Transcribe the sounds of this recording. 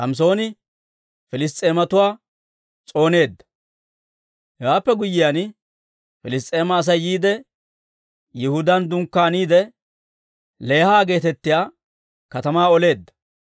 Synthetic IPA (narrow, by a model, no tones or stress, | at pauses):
hɐms̬o̞ːnɪ | fɪlɪs̬t̪ʼe̞ːmɐt̪ʊwaː | t͡sʼo̞ːne̞ːd̪ːɐ̥ | hɛwaːpːɛɡʊjːɪjan | fɪlɪs̬t̪ʼe̞ːmɐːs̬ɐjːiːd̪ɛ | jɪhʊd̪ɐnd̪ʊŋkːaːniːd̪ɛ | leːhaːɡe̞ːt̪ɛt̪ːɪjaː | kɐt̪ɐmaːɔle̞ːd̪ːɐ̥